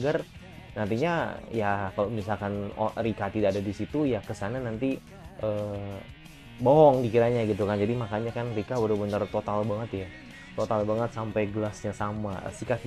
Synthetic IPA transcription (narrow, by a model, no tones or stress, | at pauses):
ɡar | nant̪iɲajakalomisalkanɔ̰rikat̪idaːdadisit̪ujakəsananant̪i | ʔəː | boɦɔŋdikiɾaɲaɡit̪̬ukand͡ʒadimakaɲakanrikabəɾəbənərt̪ot̪albaŋət̪ja | t̪ot̪albaŋət̪̚sampajɡəlasɲasama̰sika